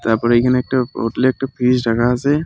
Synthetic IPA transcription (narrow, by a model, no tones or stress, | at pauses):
t̪aɾpɔɾəjkʰanɛk̚ʈao̰ʈleːɛk̚ʈapʰisɖʱakaːse